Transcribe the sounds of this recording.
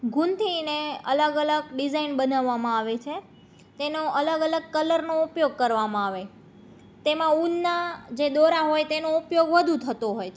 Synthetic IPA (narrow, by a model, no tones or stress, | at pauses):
ɡʱunt̪ʰineə̰ləɡələɡɖizainbənaʋːamãaʋet͡ʃʰe | t̪enoələɡələɡ̚kələɾnoupjoɡ̚kəɾʋamãaʋe | t̪emãunːad͡ʒed̪oɾaɦojt̪enoupjoɡʋəd̪ʱũt̪ʰət̪oɦoj